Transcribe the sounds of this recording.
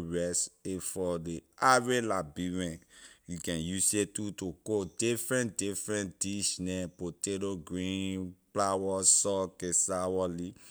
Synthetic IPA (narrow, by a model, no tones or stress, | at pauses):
ɹɛsefɔdeavelabiɹɛ̃jukɛ̃njusetutokodifɹɛ̃ntdifɹɛ̃nd̥iʃnɛpotedoɡɹĩplawɔsɔkesawɔli